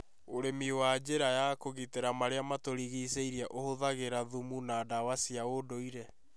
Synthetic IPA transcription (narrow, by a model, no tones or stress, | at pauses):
oɾemiwad͡ʑeɾajakoɣiteɾamaɾeamatoɾiɣiseiɾiaʔohoðaɣeɾaðumunaːdawasiaodoiɾɛ